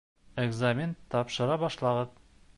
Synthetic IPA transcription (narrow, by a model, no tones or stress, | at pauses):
eɡzamʲɪnt̪ɒpʃɤ̆ɾɑbɒʃlˠɑʁɤð